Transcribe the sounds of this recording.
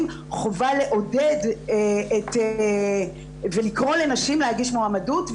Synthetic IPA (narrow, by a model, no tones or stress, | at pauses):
m | χovale̞ʔo̞dedete | velikʁo̞le̞naʃimlehaɡiʃmuamadutv